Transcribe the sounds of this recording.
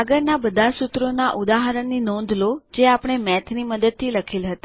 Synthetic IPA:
aɡəɾnabəd̪ʱasut̪ɾonaʔud̪aɦaɾəɳːinɔ̃nd̪ʱlod͡ʒeapɽ̃emɛt̪ʰniməd̪əd̪̚t̪ʰiləkʰilɦət̪a

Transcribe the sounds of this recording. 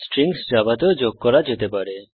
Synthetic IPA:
sʈɾiŋsd͡ʒabat̪od͡ʒoɡ̚kɔɾad͡ʒet̪epaɽe

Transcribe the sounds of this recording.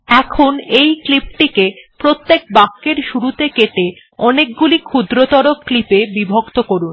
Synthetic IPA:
ɛkʰonejklip̚ʈikepɾot̪ːek̚bakːeɾʃuɾut̪ekeʈe | ɔnek̚ɡulikʰud̪ɾot̪ɔɾokklipebibʱokt̪okoɾun

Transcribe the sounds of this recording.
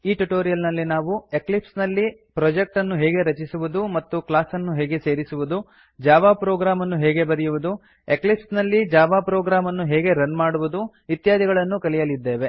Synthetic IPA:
iːʈuʈoːɾijɐlnɐlːinaːʋue̞klipsnɐlːipɾɔd͡ʒek̚ʈɐnːuɦeːɡe̞ɾɐt͡ʃisuʋud̪umɐt̪ːuklaːsɐnːuɦeːɡe̞se̞ːɾisuʋud̪u | d͡ʒaːʋaːpɾoːɡɾaːmɐnːuɦeːɡe̞bɐɾijuʋud̪u | eklipsnɐlːid͡ʒaːʋaːpɾoːɡɾaːmɐnːuɦeːɡe̞ɾɐnmaːɽuʋud̪u | it̪jaːd̪ʱiɡɐɭɐnːukɐlijɐlid̪ːe̞ːʋe̞

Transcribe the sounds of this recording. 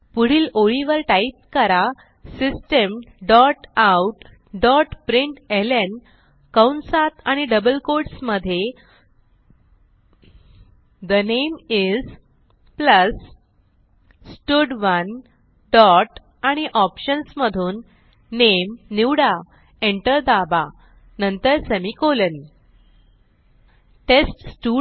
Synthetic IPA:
puɽ̤iːloɭiʋəɾʈaip̚kəɾa | sisʈəmɖɔʈawʈ | ɖɔʈpɾiɳʈelen | kawɳsat̪aɽ̃iɖəbəlkoɾɖsməd̪ʱːje | d̪ənemiz | pləs | ʈuɖʋən | ɖɔʈ | aɽ̃iʔɔpɕənsməd̪ʱuːnː | emːiwɽa | eɳʈəɾd̪aba | nənt̪əɾsemikolən | ʈesʈsʈu

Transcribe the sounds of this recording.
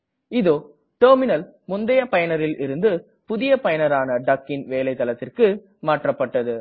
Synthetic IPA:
ɪðoː | ʈɐːɾmɪnɐlmʊnd̪ɐjɐpɐjɐnɐɾɪlʔɪɾɯnd̪ɯ | pʊðɪjɐpɐjɐnɐɾaːnɐɖɐkːɪnʋeːlɐɪt̪ːɐlɐt̪ːɪrkɯ | maːʈrɐpːɐʈːɐðɯ

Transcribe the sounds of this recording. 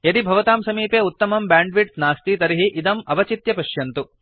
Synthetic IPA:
jɐd̪ibʱɐʋɐt̪aːmsɐmiːpeːut̪ːɐmɐmbaːɳɖʋiʈnaːst̪it̪ɐɾiɦiʔid̪ɐmɐbɐt͡ʃit̪jɐpɐʃjɐnt̪u

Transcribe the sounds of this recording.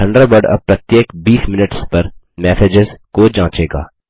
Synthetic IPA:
ʈʰɐ̃ɳɖɾəbəɖɐ̰b̚pɾɐt̪jeːkbiːsmɪnəʈspɐɾ | mɛːsed͡ʒɪzkod͡ʒãːt͡ʃeːɡa̰ː

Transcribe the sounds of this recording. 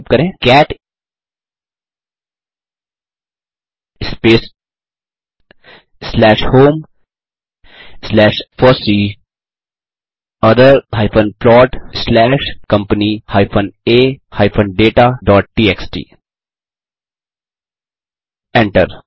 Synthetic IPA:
pkəɾẽːkɛːʈ | ɪspeːs | slɛːʃhoːm | slɛːʃfɔɾsi | ɐd̪əɾɦaːɪpə̃nplɔːʈslɛːʃkɐ̃mpənihaːɪpʰə̃neːhaːɪpʰə̃nɖeːʈaːɖɔːʈ̚ʈiːeksʈḭː | ɛ̃ɳʈəɾ

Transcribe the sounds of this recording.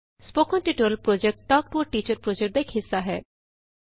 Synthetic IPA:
spoːkənʈiʈoɾəlpɾoːd͡ʒek̚ʈʈɔːk̚ʈuəɾʈiːt͡ʃəɾpɾoːd͡ʒekʈ̚d̪ekʰɦɪsːaɦɛː

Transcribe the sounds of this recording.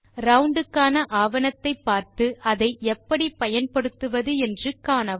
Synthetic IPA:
ɾɐʊɳɖɯkːaːnɐʔaːʋɐnɐt̪ːɐɪpːaːɾt̪ɯʔɐðɐɪɛpːɐɽipɐjɐnpɐɽɯt̪ːɯʋɐðɯɛndrɯkːaːnɐ

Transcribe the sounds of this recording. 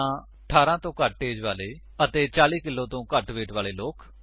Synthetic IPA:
ãː | əʈʰaːɾãːt̪õːkəʈ̚ʈeːd͡ʒʋaːleː | ət̪eːt͡ʃaːliːkɪlːõːt̪õːkəʈʋeːʈʋaːleːloːk

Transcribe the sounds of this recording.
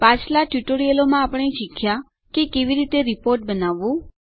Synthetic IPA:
pãt͡ʃʰlaʈjuʈoɾijəlomãapɽ̃eʃikʰja | kekeʋiɾit̪eɾipoɾʈ̚bənaʋːũ

